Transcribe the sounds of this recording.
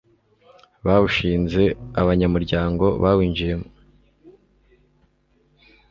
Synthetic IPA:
βaβuʃiːnze̞aβaɲamuɾɟaːŋɡo̞̰βawiːnd͡ʒijemo

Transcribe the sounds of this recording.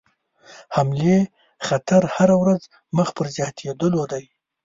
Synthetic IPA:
hamle | xat̪aɾhaɾawɾaz | məxpəɾzjɑt̪ʰed̪əlod̪aj

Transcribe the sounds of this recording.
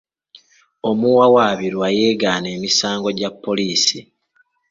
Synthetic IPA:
o̞muwawaβiɾwaje̞ːɡaːne̞ːmisaːŋɡo̞ɟapːo̞liːsi

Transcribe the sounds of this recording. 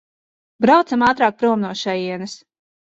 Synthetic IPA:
bɾawt̪samaːt̪ɾaːk̚pɾuɔmnuɔʃɛjiɛnɐs

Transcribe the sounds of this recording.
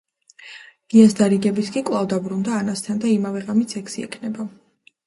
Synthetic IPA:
ɡ̥iasd̪aɾiɡɛbit̪ʰkʼikʼlˠavd̪abɾund̪aːnast̪ʰand̪aimavɛʁamit̪sʰɛkʰsiɛ̰kʰnɛba

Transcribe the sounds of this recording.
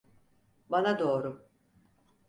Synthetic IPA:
banad̪o̞ːɾu

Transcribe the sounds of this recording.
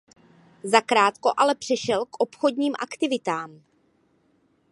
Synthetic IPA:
zakɾaːt̪ko̞ʔalɛpr̝̥ɛʃɛlkʔo̞pxodɲiːmʔa̰kt̪ɪvɪt̪aːm

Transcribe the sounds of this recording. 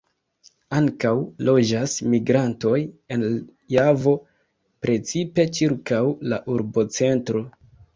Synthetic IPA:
aŋkawlo̞d͡ʒasmiɡɾanto̞je̞n | javo̞ | pɾe̞t͡sipe̞t͡ʃiɾkawlaʔuɾbo̞t͡se̞ntɾo̞

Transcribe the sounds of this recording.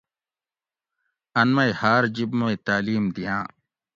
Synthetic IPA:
ɐnmɐihaːɾd͡ʑibmoit̪aːliːmd̪ijãː

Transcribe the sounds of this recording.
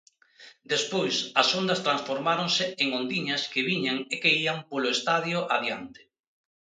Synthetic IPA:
d̪espojsɐsond̪ɐst̪ɾansfoɾmaɾoŋsɪeŋond̪iɲɐskeβiɲaŋekeiampolʊest̪aðjoʔaðjant̪ɪ̥

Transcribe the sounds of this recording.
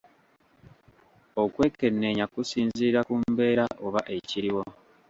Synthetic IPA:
o̞kwe̞ːke̞nːe̞ɲakusiːnziːɾakumbe̞ːɾaʔo̞βaʔe̞ciɾiwo̞

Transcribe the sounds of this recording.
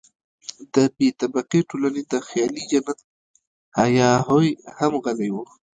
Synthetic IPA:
d̪əbet̪abaqeʈolaned̪əxjɑlid͡ʒanat̪̚ | hajɑɦojhamɣalajwu

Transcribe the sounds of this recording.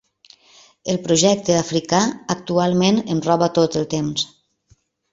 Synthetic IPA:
əlˠpɾuʒɛk̚t̪əafɾikaːk̚t̪ualˠmenənrɔβət̪ot̪əlˠt̪ems

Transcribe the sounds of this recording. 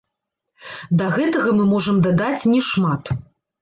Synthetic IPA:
d̪ɐɣɛt̪ɐɣɐmɨmɔʐɐmd̪ad̪at͡sʲnʲɛʂmat̪

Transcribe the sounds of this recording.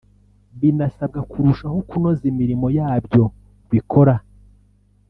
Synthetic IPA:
βinasab̚ɡakuɾuʃahokunozimiɾimo̞jaːbjo̞ | βikʰo̞ɾa

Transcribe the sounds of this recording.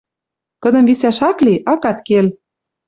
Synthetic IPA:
kɤ̆d̪ɤ̆mβisæʃɑkliʔɑkɑt̪kel

